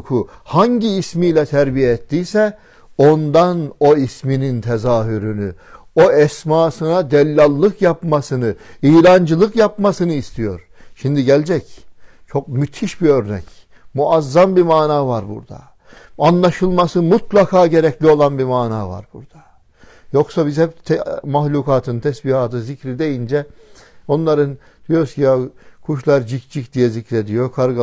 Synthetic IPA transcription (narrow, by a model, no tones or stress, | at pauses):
kʰuhaɲɟiːsmiːlʲɛt̪ʰæɾbijɛɛt̪ːiːsɛ | o̞nd̪ano̞isminint̪ʰɛzaːɦyɾyny | o̞ɛsmaːsɯnad̪ɛlʲːalˠːɯkjapmasɯnɯiːlʲand͡ʒɯlˠɯkjap̚masɯnɯist̪ʰijo̞̰ɾ | ʃimd̪iɟɛlʲd͡ʒɛc | t͡ʃʰo̞k̚myt̪ʰiʃbiø̞ɾnɛ̰c | muazːambimaːnaːvaɾbṵɾd̪a̰ | anlˠaʃɯlˠmasɯmut̪lˠakʰaːɟe̞ɾɛclʲio̞lˠanbimaːnaːva̰ɾbuɾd̪̥ḁ | jo̞ksabizhɛp̚t̪ʰɛmaxlʲuːkaːt̪ʰɯnt̪ʰɛsbihat̪ʰɯzicɾid̪ejind͡ʒɛo̞nlˠaɾɯn | d̪̥ijo̞ɾuscʰijakʰuʃlˠaɾd͡ʒicd͡ʒicd̪ijɛzicɾɛd̪ijokʰaɾɡ